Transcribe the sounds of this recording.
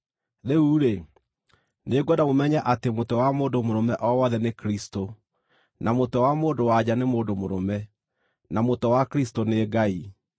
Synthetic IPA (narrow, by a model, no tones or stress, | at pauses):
ðeuɾe | neɡwɔdamomɛɲaʔatemotɔwamoːdomoɾɔmɛʔɔwɔðɛnekɾisto | namotɔwamoːdowad͡ʑanemoːdomoɾɔmɛ | namotɔwakɾistoneɡai